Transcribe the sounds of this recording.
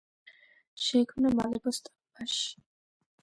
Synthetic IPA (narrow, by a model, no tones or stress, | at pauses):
ʃɛikʰmnamalɛɡɔst̪ʼabaʃ